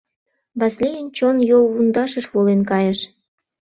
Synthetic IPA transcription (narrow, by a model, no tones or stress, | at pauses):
βɑslʲijənt͡ɕonjolβund̪ɑʃə̆ʃβolenkɑjə̆ʃ